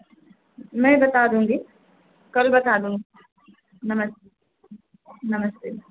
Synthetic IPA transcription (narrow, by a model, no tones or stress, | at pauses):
mɛ̃ːbɐt̪aːd̪ũːŋɡi | kɐlbɐt̪aːd̪ũːŋɡi | nɐmɐs | nɐməst̪eː